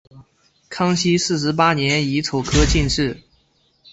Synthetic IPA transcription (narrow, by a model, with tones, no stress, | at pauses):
kʰɑ˥ŋɕi˥sɹ̩˥˩ʂɻ̩˧˥p̬a˥njɛ˧˥ni˧˥t͡sʰo˨˩ʊkʰɤ˥t͡ɕi˥˧nʈ͡ʂɻ̩˥˩